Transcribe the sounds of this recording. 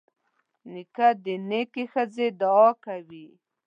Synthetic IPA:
nikad̪ənekexəzed̪aɔkawi

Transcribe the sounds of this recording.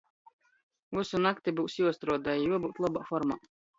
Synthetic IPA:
vusunakt̪ibuːsjuɔst̪ɾuɔd̪ajijuɔbuːt̪lˠɔbaːfɔɾma̰ː

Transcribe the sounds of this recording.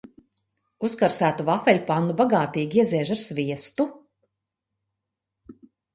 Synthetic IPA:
uskaɾsæːt̪uvafɛlʲupanːubaɡaːt̪iːɡʲiɛziɛʒaɾsvʲiɛst̪u

